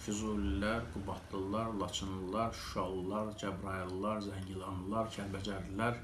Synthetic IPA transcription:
fyzulilæɾɡubɑt̪lˠɯlˠɑɾlˠɑt͡ʃʰɯnlɯlˠɑɾʃɑulːˠɑɾd͡ʒæbɾɑjllˠɑɾzæɲɟilˠɑnlˠɑɾcʰælbæd͡ʒæɾlæɾ

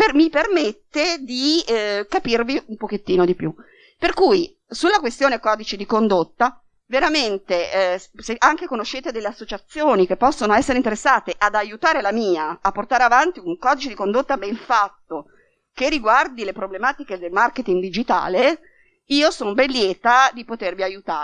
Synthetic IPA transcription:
pemipermet̪ːed̪ikapirviumpoket̪ːiːnod̪ipju | perkuj | sulːakwest̪joːnekɔːd̪it͡ʃid̪ikond̪ot̪ːa | veɾament̪eseʔaŋk̟ekonoʃːeːt̪ed̪elːeasːot͡ʃat̪sːjoːnikepːɔsːonoɛsːeɾeint̪eɾesːaːt̪eʔad̪ajut̪aːɾelamiːaːpːort̪aːɾeavant̪iuŋkɔːd̪it͡ʃed̪ikond̪ot̪ːabɛɱfat̪ːo | kerːiɡward̪ilepɾoblemaːt̪iked̪elmarket̪iŋɡd̪id͡ʒit̪a̰ːle | iːosoːnobɛnlːjɛːt̪ad̪ipot̪erviajut̪aː

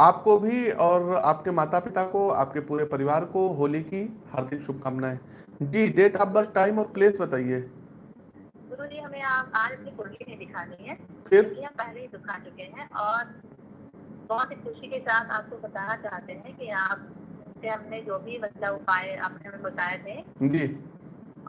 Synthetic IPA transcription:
aːpkobʱiɔːɾa̰ːpkemaːt̪apɪt̪akoa̰ːp̚kepuːɾepɐɾɪʋaːɾkoɦoːlikihɐɾd̪ʱɪkʃʊb̚kamnaɦɛ̃ː | d͡ʒiːɖeːʈaːb̚bɐɾʈaːɪmɔːɾpleːsbɐt̪aːieː | ɡʊɾud͡ʒiːɦɐmẽaːpaːɾɪsnikʊɾlimẽd̪ɪkʰaːɾĩɦɛ̃ːfʰɪɾkiɦɐ̃mpɛɦleɦid̪ʊkʰat͡ʃʊkeɦɛ̃ʔɔːɾ | bɔːt̪ɦixʊʃikesaːt̪ʰa̰ːp̚kobɐt̪aːnat͡ʃaːɦt̪eɦɛ̃kiaːp̚seɦɐmned͡ʒoːbʱiʋɐsjaʊpaːeɐ̰pnembɐt̪aːjet̪ʰẽd͡ʒiː

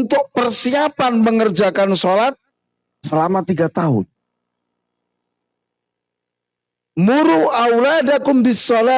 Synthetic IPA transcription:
nt̪ʊk̚pərsiapanməŋərd͡ʒakansolat̪̚ | səlamat̪iɡat̪aɦʊ̰n | muɾuawladakʊmbɪsɔla

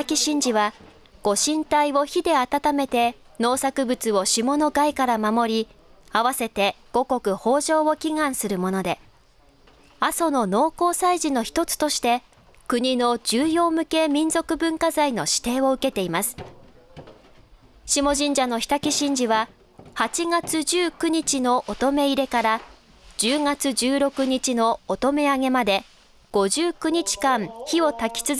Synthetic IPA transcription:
akʲiɕĩɲ̟d͡ʑiβa | ɡ̥o̞ɕĩnt̪aiβo̞çid̪e̞at̪at̪ame̞t̪e̞ | no̞ːsakɯ̟bɯ̟t͡sɨo̞ɕimo̞no̞ɡaikaɾamamo̞ɾʲi | aβase̞t̪e̞ɡ̥o̞ko̞kɯ̟ho̞ːʑo̞ːo̞kʲiɡãɰ̃sɨɾɯ̟mo̞no̞d̪e̞ | aso̞no̞no̞ːko̞ːsaiʑino̞çi̥t̪o̞t͡sɨ̥t̪o̞ɕi̥t̪e̞ | kɯ̟ɲ̟ino̞d͡ʑɨːjo̞ːmɯ̟ke̞mʲĩnzo̞kɯ̟bɯ̟̃ŋkazaino̞ɕi̥t̪e̞ːo̞ɯ̟ke̞t̪e̞imasɨ̥ | ɕimo̞ʑĩɲ̟d͡ʑano̞çʲi̥t̪akʲiɕĩɲ̟d͡ʑiβa | hat͡ɕiɡat͡sɨʑɨːkɯ̟ɲ̟it͡ɕino̞ʔot̪o̞me̞iɾe̞kaɾa | d͡ʑɨːŋat͡sɨd͡ʑɨːɾo̞kɯ̟ɲ̟it͡ɕino̞ːt̪o̞me̞aŋe̞mad̪e̞ | ɡ̥o̞ʑɨːkɯ̟ɲ̟it͡ɕi̥kãɴçio̞t̪akʲi̥t͡sɨz

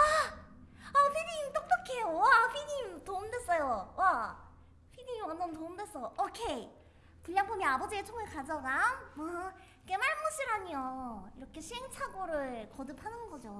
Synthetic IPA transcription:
a | aɸʰinimt͈ok̚t͈ʌkʰe̞jowaɸʰinimtomdwe̞s͈ʌjowa | ɸʰinimwʌndʌntoɯmdwe̞s͈ʌjoʔokʰe̞i | puʎːaŋpʰomjʌnabʌd͡ʑiet͡ɕʰoŋeɭkad͡ʑaɡammʌ | kemaɭmuɕʰiɾaɲioiɾʌkʰe̞ɕʰiɦeŋt͡ɕʰaɡoɾɯɭkʌdɯpʰanɯnɡʌd͡ʑo

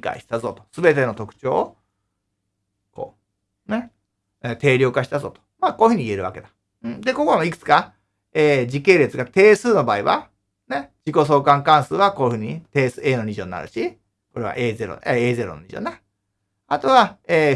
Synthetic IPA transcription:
ka̰iɕi̥t̪azo̞ːt̪o̥sɨbe̞t̪e̞no̞t̪o̞kɯ̥t͡ɕoː | ko̞̰ː | ne̞ | et̪e̞ːɾʲjo̞kaɕi̥t̪azo̞̰ːt̪o̥maːko̞ːi̟hɯ̟ɲ̟iie̞ɾɯ̟βake̞d̪a | ɯ̃ɴd̪e̞ko̞konoikɯ̟̥t͡sɨ̥ka | eːd͡ʑike̞ːɾe̞t͡sɨɡat̪e̞ːsɨːno̞baːiβa̰ | ned͡ʑiko̞s̬o̞ːkãŋkãɰ̃sɨːβakoːihɯ̟ːɲ̟it̪e̞ːsɨe̞ːno̞ɲ̟iʑo̞nːa̰ɾɯ̟̰ɕi | ko̞ɾe̞βa̰ʔeːze̞ɾo̰eeːze̞ɾono̰ɲʲḭʑo̰na | at̪o̞βaeː

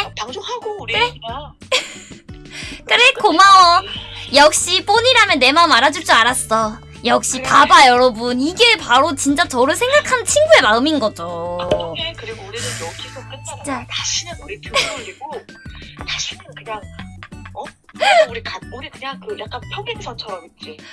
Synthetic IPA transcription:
taoaɡoɯɾea | k͈ɯɾekomaʌjʌk̚ɕ͈ip͈oɲiɾamjʌnːe̞maɯmaɾad͡ʑuɭt͡ɕ͈iaɾas͈ʌ | jʌk̚ɕ͈ipabajʌɾʌbuniɡe̞paɾot͡ɕint͡ɕ͈at͡ɕʌɾɯɭsʰe̞ŋɡakʰant͡ɕʰinɡue̞maɯminɡʌd͡ʑoekɯɾiɡouɾiɯokesʰok̚k͈ʰɯtt͡ɕʰiat͡ɕ͈aaɕʰinɯnuɾitʰɯdeɡo | t͡ɕaɕʰinɯnkɯɲaŋ | ʌ | uɾikauɾikɯɲaŋkɯjak͈anpʰjoɡeŋsʰʌt͡ɕʰʌɾʌit͡ɕ͈i

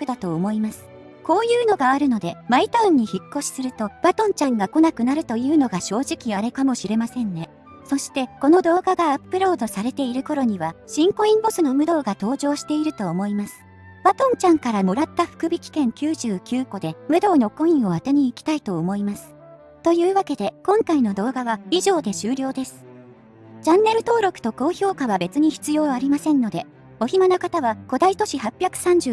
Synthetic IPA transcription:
pɯ̟d̪at̪o̞ːmo̞imasɨ̥ | ko̞ːjɯ̟ːno̞ɡaaɾɯ̟no̞d̪e̞mait̪ãɲ̟ːiçikːo̞ɕi̥sɨɾɯ̟t̪o̞b̥at̪õ̞ɲ̟t͡ɕãŋɡako̞nakɯ̟naɾɯ̟t̪o̞jɯ̟ːno̞ɡaɕo̞ːʑikʲiaɾekamo̞ɕiɾe̞masẽ̞nne̞ | so̞ɕi̥t̪e̞ko̞no̞d̪o̞ːɡaɡaːpːɯ̟ɾo̞ːd̪o̞saɾe̞t̪e̞iɾɯ̟ko̞ɾo̞ɲ̟iβaɕĩŋko̞ĩmbo̞sɨno̞mɯ̟d̪o̞ːɡat̪o̞ːʑo̞ːɕi̥t̪e̞iɾɯ̟t̪o̞ːmo̞imasɨ̥ | βat̪õ̞ɲ̟t͡ɕãŋkaɾamo̞ɾat̪ːaɸɯ̟̥kɯ̟bʲikʲi̥kẽ̞ŋkʲɨːʑɨːkʲɨːko̞d̪e̞mɯ̟d̪o̞ːno̞kõ̞ĩɰ̃o̞at̪eɲ̟iːkʲi̥t̪ait̪o̞ːmo̞imasɨ̥ | t̪o̞jɯ̟ːβake̞d̪e̞kõ̞ŋkaino̞d̪o̞ːɡaβaiʑo̞ːd̪e̞ɕɨːɾʲo̞ːd̪e̞sɨ̥ | d͡ʑãnːe̞ɾɯ̟t̪o̞ːɾo̞kɯ̟̥t̪oko̞ːço̞ːkaβabe̞t͡sɨɲ̟içi̥t͡sɨjo̞ːaɾʲimasẽ̞nːo̞d̪e̞ | o̞çimanokat̪aβako̞d̪ait̪o̞ɕihapʲjakɯ̟̥sãɲ̟d͡ʑɨː

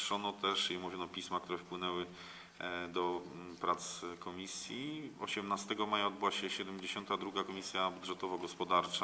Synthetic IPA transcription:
ʂɔnɔt̪ɛʂimuvʲjɔnɔpʲismak̚t̪uɾɛfpwɘnɛwɘ | d̪ɔpɾat̪skɔmʲisʲjiɔ̰ɕɛmnast̪ɛɡɔmajaɔd̪bɘwaɕɛɕɛd̪ɛmd͡ʑeɕɔnt̪ad̪ɾuɡakɔmʲisʲjabud̪ʐɛt̪ɔvaɡɔspɔd̪aɾt͡ʂa

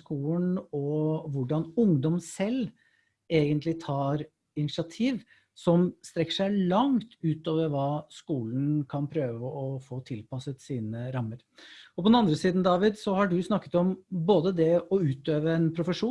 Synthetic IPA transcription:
kuːlnɔʋʊɖɑnʊŋd̪ɔmsɛlː | eːɡənt̪ʰlɪt̪ʰɑːɾ | ɪnɪsɑt̪ʰiːʋ | sɔmst̪ɾɛkːə̥ʂæɪlɑŋt̪ʉːt̪oːʋəɾʋɑːskuːln̩kʰɑnpʰɾøːʋəɔfoːt̪ʰɪlpɑsət̪siːnəɾɑmːəɾ | ɔpʰɔd̪ɛnɑnd̪ɾəsiːd̪n̩d̪ɑːʋɪd̪sɔhɑɖʉsnɑkːə̥t̪ɔmboːd̪əd̪ɛɔʉːt̪øːʋəɛnpʰɾʊfəʂuː

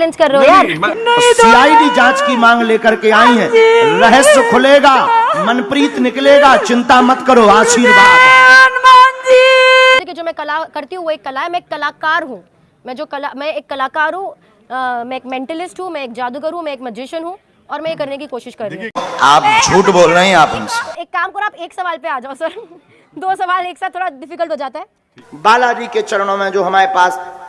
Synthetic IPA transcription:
lɪ̃nskɐɾːeɦojaːsiːaːiɖid͡ʒãːt͡ʃkimãːŋɡleːkəɾkeaːĩɦɛ̃ːɾɛɦəskʰʊleːɡaːmɐnpɾiːt̪nɪkleːɡaːt͡ʃɪ̃nt̪amɐt̪kɐɾoːaːsiːɾɡanmaːd͡ʒiikid͡ʒoːmɛ̃kɐlakɐɾt̪iɦũʋoeːkːɐlaːɦɛmɛ̃ːkːɐlaːkaːɾɦũ | mɛ̃d͡ʒoːkɐlamɛ̃eːkːɐlaːkaːɾɦũ | mɛ̃eːkmɛ̃ːɳʈəlɪsʈɦũmɛ̃eːk̚d͡ʒaːd̪uɡəɾɦũmɛ̃eːkmɛd͡ʒɪʃənɦũ | ɔːɾmɛ̃jekɐɾnek̬ikoːʃɪʃkɐɾːĩɦaːp̚t͡ʃʰuːʈboːlɾaɦĩaːpʊmse̥eːkːaːmkɔːɾaːpeːksɐʋaːlpeaːd͡ʒaːsɐɾ | d̪oːsɐʋaːleːksaːt̪ʰːoːɽaɖɪfikəlʈɦoːd͡ʒaːt̪aɦɛː | baːlaːd͡ʒiket͡ʃɐɾɽ̃õmẽd͡ʒoːɦɐmaːɾepaːs

